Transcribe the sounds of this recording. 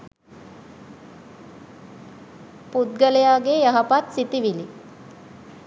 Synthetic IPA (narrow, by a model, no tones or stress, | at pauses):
put̪̚ɡəlejaːɡejaɦapat̪sit̪iʋili